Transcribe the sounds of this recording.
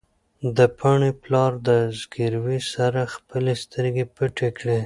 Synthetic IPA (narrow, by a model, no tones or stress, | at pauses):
d̪əpʰaɳeplɑɾd̪əzɡiɾwisaɾaxpəlest̪əɾɡepəʈekɽe